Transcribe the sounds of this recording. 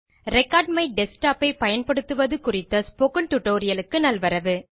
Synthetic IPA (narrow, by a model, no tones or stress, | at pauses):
ɾɛkːaːɖmɐɪɖɛsʈaːpɐɪpɐjɐnpɐɽɯt̪ːɯʋɐðɯkʊrɪt̪ːɐspoːkɯɳʈʊʈːoːɾɪjɐlɯkːɯnɐlʋɐɾɐʋɯ